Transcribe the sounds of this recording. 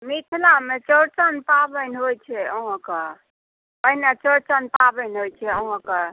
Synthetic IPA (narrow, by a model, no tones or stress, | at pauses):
mit̪ʰlamet͡ʃəɾt͡ʃənpabənɦojt͡ʃʰɛəɦɔ̃kə | pəɦinat͡ʃəɾt͡ʃənpabənɦojt͡ʃʰɛəɦɔ̃kə